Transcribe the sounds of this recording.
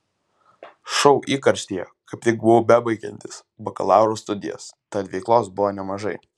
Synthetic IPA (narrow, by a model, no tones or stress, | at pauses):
ʃɔʊʔiːkɐɾʲsʲt̪ʲijɛ̰kɐɪpt̪ʲɪkbʊʋʊbʲæbɐɪkʲɛ̰nʲt̪ʲɪs | bɐkɐ̰lˠɑˑʊɾoːst̪ʊd̪ʲɪ̰jɛ̰st̪ɐt̪ʋʲɛɪklˠoːsbʊʋoːnʲɛmɐʒɐɪ